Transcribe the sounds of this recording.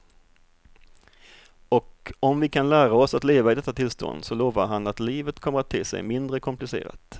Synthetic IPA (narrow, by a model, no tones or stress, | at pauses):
ɔkɔmvɪkʰanlæːɾaɔsat̪leːvaɪd̪ɛt̪ːat̪ʰɪlst̪ʰɔ̰nd̪sɔloːvaɾɦanat̪liːvət̪kʰɔmːəɾat̪ʰːɪːsɛ̰jmɪnd̪ɾəkʰʊmplɪsḛːɾa̰t̪